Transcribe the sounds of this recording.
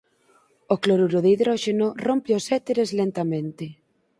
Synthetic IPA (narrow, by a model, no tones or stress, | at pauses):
okloɾuɾoðiðɾɔʃenorompeosɛt̪eɾeslent̪amẽnt̪ɪ